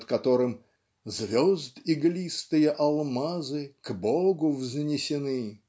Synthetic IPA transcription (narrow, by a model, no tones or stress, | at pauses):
t̪kɐt̪oɾɨm | zvʲozd̪ɪɡlʲist̪ɨjəʔɐlˠmazɨkboɡʊvznʲɪsʲɪnɨ